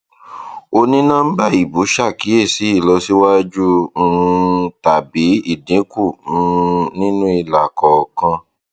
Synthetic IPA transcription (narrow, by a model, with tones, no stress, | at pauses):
o˧nĩ˦nãː˦n̩˦ba˦˨i˨bu˨˦ʃa˦˨ki˨˦e˦˨si˨˦i˦˨lɔ˧si˦wa˦d͡ʒu˦˧˦ | ta˨bi˨˦i˦˨dĩ˨˦ku˦˨˦ | nĩ˦nũ˦i˧la˨kɔ˨kã˧